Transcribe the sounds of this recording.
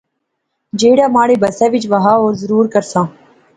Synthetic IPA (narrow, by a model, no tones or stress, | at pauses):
d͡ʒeːɽaːmaːɽeːbəsaːʋɪt͡ʃʋəɦaːoːɾzəɾuːɾkəɾsãː